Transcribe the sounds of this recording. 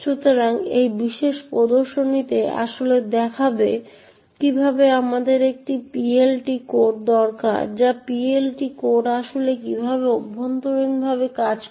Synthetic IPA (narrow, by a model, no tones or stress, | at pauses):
ʃut̪oɾaŋejbiʃeʃpɾod̪oɾʃonit̪ea̰ʃoled̪ɛkʰabe | kibʱabeamad̪eɾek̚ʈipielʈikoʈ̚d̪ɔɾka̰ɾd͡ʑapielʈikoʈaʃolekibʱabeobʱont̪oɾinbʱaβekad͡ʑ